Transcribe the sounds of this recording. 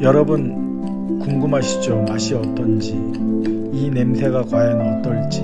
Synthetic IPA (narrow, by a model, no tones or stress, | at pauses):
jʌɾʌbun | kuŋɡɯmɦaɕʰi̥d͡ʑomaɕʰiʌt͈ʌnd͡ʑi | ine̞msʰe̞ɡakwajʌnʌt͈ʌɭt͡ɕ͈i